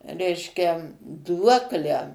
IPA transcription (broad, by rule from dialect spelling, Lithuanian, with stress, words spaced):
ˈrʲɛɪʃʲkʲɛ ˈduɔklʲæː